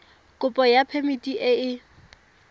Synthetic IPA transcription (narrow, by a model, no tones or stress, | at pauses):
kʼʊpʼɔjapʰemitʼiʔɪɪ